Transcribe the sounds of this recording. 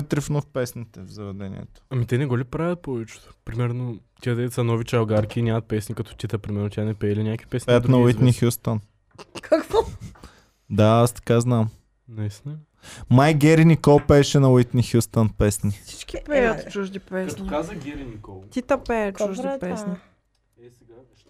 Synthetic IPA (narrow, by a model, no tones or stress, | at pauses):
ɛt̪ɾifnofpɛsnit̪ɛvzɐvɛd̪ɛnḭɛ̰t̪o̥ɐmit̪ɛnɛɡɔlipɾavʲət̪̚pɔvɛt͡ʃɛ̥t̪o̥pɾimɛɾnot̪ʲiad̪ɛt̪sɐnɔvit͡ʃɐlˠɡaɾkʲiːnʲamɐt̪̚pɛsnikɐt̪ɔ̥t̪ʲit̪əpɾimɛɾnot̪ʲanɛpɛilinʲakvi̥pɛsɛjɐt̪nɐwinixjust̪ən | kʰakvɔ | d̪aast̪ɐ̥kaznam | nɐist̪nɐ | majɡʲɛɾinʲikɔlˠpɛːʃɛnɐwit̪nixjust̪ənpɛsnʲisi̥t͡ʃkʲipɛjət̪t͡ʃuʒd̪ipɛsnikazɐɡʲɛɾinikɔt̪it̪ɐpɛt͡ʃuʒd̪ipɛsni | a